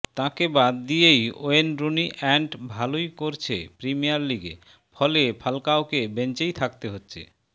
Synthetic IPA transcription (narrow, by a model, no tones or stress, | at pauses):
t̪ãkebad̪ːijejo̰enɾoniʔɛɳʈbʱalojkoɾt͡ɕʰḛpɾimijaɾliɡḛ | fʰɔlepʰalkaokebent͡ɕejt̪ʰakt̪eɦotːɕʰḛ